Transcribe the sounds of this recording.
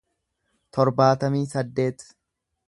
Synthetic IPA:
t̪ʰɔɾbaːt̪ɐmiːsɐd̪ːe̞ːt̪

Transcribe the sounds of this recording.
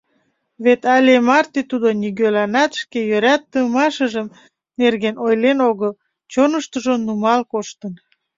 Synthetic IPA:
βet̪ɑlʲemɑrt̪et̪ud̪oniɣølɑnɑt̪ʃkejøɾæt̪ːəmɑʃəʒəm | nerɣenojlenoɣəl | t͡ɕonəʃt̪əʒonumɑlkoʃt̪ən

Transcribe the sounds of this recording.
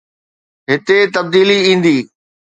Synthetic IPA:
ɦɪt̪et̪ɐbd̪iːliĩːn̆d̪iː

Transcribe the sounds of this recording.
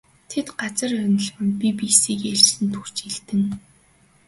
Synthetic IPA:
t̪ʰet̪ɢat͡sə̆rœnə̆ɮʁɘ̆mpipisiːkeɮt͡ɕsɘ̆nt̪ʰur̥t͡ɕiɮt̪ɘ̆ŋ

